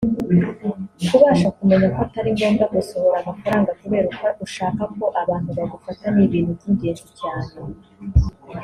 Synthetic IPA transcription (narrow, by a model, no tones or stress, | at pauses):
kuβaːʃakume̞ɲakoataɾiŋɡo̞ːndaɡuso̞ho̞ɾamafaɾaːŋɡakuβe̞ːɾukaʔuʃaːkako̞ʔaβaːnhuβaɡufataniβiːnhuziɲɟeːnʒucaːne